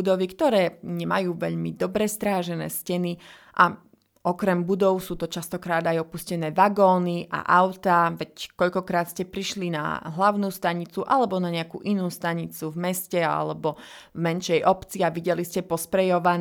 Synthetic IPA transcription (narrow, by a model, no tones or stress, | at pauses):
ud̪ɔʋikt̪ɔɾɛːɲɛmajuːʋɛ̰ʎmid̪ɔbɾɛst̪ɾaːʒɛnɛ̰ːscɛni | ʔa | ɔkɾɛmbud̪ɔʊsuːt̪ɔt͡ʃast̪ɔkɾaːd̪ajɔpuscɛnɛːʋaɡɔːniʔa̰ʔaʊt̪aʋɛckɔʎkɔkɾaːt̪scɛpɾiʃlina̰ɦlaʊnuːst̪aɲit͡suʔalɛbɔnaɲɛakṵːʔinuːst̪aɲit͡suvmɛscɛa̰lɛbɔvmɛnʃɛjʔɔpt͡siaʋiɟɛliscɛpɔspɾɛjɔʋan